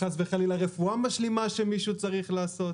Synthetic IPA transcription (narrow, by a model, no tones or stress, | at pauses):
asveχalilaʁefuamaʃlimaʃe̞miʃut͡saʁiχlaːso̞t̪